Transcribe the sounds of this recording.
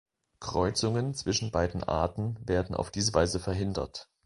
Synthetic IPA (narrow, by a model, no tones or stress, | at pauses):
kʁ̥ɔʏt͡sʊŋənt͡sv̥ɪʃn̩baɪdn̩ʔa̰ɐtn̩veːɐdn̩ʔa̰ʊfd̥iːzəvaɪzəfɛɐɦɪndɐ̰t